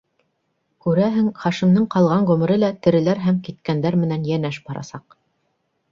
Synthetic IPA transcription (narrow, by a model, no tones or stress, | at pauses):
kʉɾæɦɘŋχɑʃimnɤɴqɑlˠʁɑɴʁʉmɘ̆ɾɘlæt̪ɘ̆ɾɘ̆læɾɦæmkit̪̚kænd̪æɾmɘ̆nænjænæʃbɑɾɑ̰sɑq